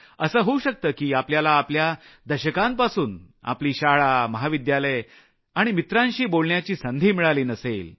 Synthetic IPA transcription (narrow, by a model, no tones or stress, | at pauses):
əsəːɦouɕək̚t̪əːkiːapljalaːpljad̪əɕəkãmpasuːn | a̰pliːɕaɭaməɦaʋid̪jaləj | aɽ̃imit̪ɾãnɕiːbolɳjat͡ɕiːsənd̪ʱiːmiɭaliːnəsḛl